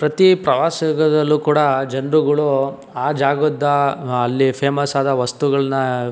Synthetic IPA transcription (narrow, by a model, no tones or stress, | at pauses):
pɾɐt̪ipɾɐʋaːsɐɡɐd̪ɐlːuːkuːɽɐd͡ʒɐnɾuɡɐɭu | aːd͡ʒaːɡɔd̪ːɐːlːipʰeːmɐsaːd̪ɐʋɐst̪uɡɐɭɐnːɐ